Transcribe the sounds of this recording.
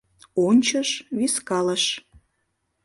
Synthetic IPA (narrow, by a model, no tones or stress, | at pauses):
onʲt͡ɕəʃβiskɑləʃ